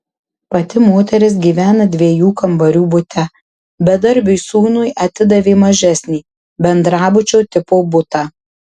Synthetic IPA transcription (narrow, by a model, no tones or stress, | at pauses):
pɐt̪ʲɪmoːt̪ʲɛɾʲɪsɡʲiːʋʲæːnɐd̪ʲʋʲiɛjuːkɐmbɐɾʲuːbʊt̪ʲɛ | bʲɛd̪ɐɾʲbʲʊjsuːnʊjʔɐt̪ʲɪd̪ɐʋʲeːmɐʒʲɛsʲnʲiː | bʲɛnd̪ɾɑːbʊt͡ʃʲoːt̪ʲɪpoːbʊt̪ɑː